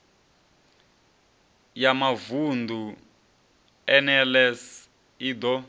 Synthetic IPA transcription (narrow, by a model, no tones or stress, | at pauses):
jamavundʱu | ɛnɛlɛs | iːd̪ɔ